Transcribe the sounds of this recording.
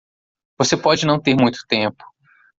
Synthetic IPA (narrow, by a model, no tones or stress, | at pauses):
vosepɔd͡ʒɪnɐ̃w̃t̪eɾmũj̃t̪ʊ̥t̪ẽpʊ̥